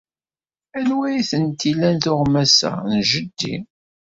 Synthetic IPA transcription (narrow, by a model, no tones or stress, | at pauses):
ænwæjθənt̪ːilænθʊʁmæsæ̰nʒəd̪ːḭ